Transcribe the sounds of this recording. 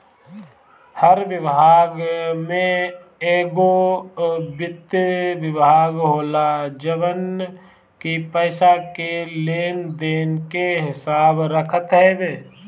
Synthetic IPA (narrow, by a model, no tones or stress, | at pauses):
həɾʋɪbʱaːɡmẽ | eːɡo | bɪt̪wɪbʱaːɡɦoːlad͡ʒəʋən | kipəːsakeleːnd̪eːnkeɦɪsaːbɾəkʰət̪ɦɛbeː